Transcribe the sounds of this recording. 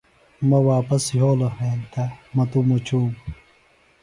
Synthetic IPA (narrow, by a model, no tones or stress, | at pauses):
mɐwaːpɐsjoːlɐheːnt̪ɐmɐt̪umot͡ɕʰuːm